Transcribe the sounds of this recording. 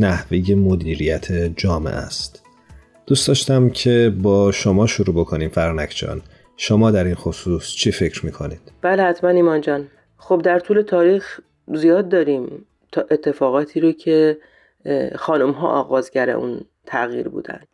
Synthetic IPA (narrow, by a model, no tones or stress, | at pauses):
næhvejemod̪iːɾijæt̪ʰed͡ʒɒːmḛʔæ̰st̪ | d̪̥uːst̪ɒːʃt̪æmcʰe̞bɒːʃomɒːʃuɾuːbo̞kʰo̞niːmfæɾnækʰd͡ʒɒ̰ːn | ʃomɒːd̪æɾinxosuːst͡ʃʰife̞cʰɾmiːkʰo̞nid̪̥b̥æːlehæt̪ʰmæniːmɒːnd͡ʒɒːn | xob̚d̪æɾt̪ʰuːle̞t̪ʰɒːɾiːx | zijɒːd̪ːɒːɾiːm | t̪ʰːʔe̞t̪ʰːe̞fɒːɣɒːt̪ʰiːɾocʰe̞ | xɒːnumɦɒ̰ːʔɒ̰ːɣɒːzɟæɾḛʔṵn | t̪ʰæɣjḭːɾbṵːd̪æ̰nd̪̥